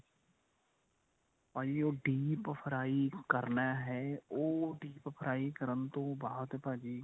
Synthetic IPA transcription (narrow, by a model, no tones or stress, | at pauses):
paːd͡ʒiːoːɖiːppʰəɾaːikəɾnaːɦɛːoːɖiːppʰəɾaːikəɾənt̪õːbaːɦt̪ɛpaːd͡ʒiː